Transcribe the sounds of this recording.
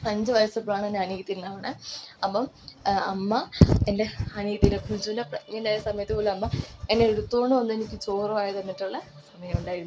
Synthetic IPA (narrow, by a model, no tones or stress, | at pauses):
ɐɲd͡ʑɨʋɐjɐsɐpːɭaːɳenːeɐniɣɐt̪ːilnaːʋɐɳɨɐpːɐm | ɐmːɐende̞ɐniɣɐt̪ːindekʰuɲd͡ʑunɐpŋːɐnejsɐmɐjɐt̪ːɨpoːluɐmːɐenːeːɽut̪ːoːɳːɨonːɨe̞nikʲːɨt͡ɕoːrɐmaːjɐt̪ɐnːiʈːuɭːɐ | sɐmɐjɐmuɳɖaːjiɾunːu